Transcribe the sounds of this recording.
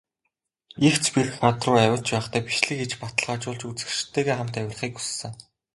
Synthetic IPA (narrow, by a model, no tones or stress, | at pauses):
ixt͡spʲirxat̪rʊːæwʲɪ̆ɬt͡ɕpæːχt̪ʰæːpiʃɮɘ̆xet͡ɕpat̪ə̆ɮʁaːt͡ɕʊːɮt͡ɕut͡sɘ̆ʃt̪ʰːeːɣeːχam̥t̪æwʲɪ̆rχiːku̥sːɘ̆ŋ